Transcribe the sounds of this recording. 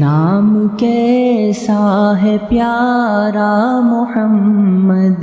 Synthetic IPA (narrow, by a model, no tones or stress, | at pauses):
aːmkesaːɦepjaːɾaːmʊhɐmːɐd̪